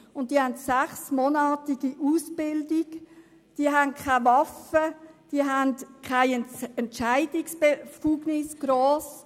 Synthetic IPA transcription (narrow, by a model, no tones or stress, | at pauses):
ʊnt̚d̥iːəhantsæχsmonɑːtiɡ̥iʔusb̥ɪldiɡ | d̥iːəɦænkʰavɑfəd̥iəɦæntkʰaɪɛɛntt͡ʃaɪdɪksb̥efuːɡnɪsɡ̥ɾoːs